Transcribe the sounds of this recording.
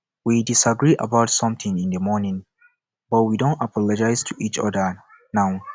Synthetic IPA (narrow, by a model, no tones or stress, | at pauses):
widisaɡɹiʔa̰baʊtsʌ̃mθĩŋĩndəmɔnĩŋ | bʌt̚widõntapʰɔlɔd͡ʒajz̥tʰuʔit͡ʃɔ̰də | naw